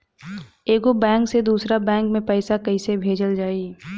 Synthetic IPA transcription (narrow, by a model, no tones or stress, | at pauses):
eːɡobɛ̃ːŋksed̪uːsɾabɛ̃ːŋkmẽpɛːsakɐisebʱeːd͡ʒəld͡ʒaːiː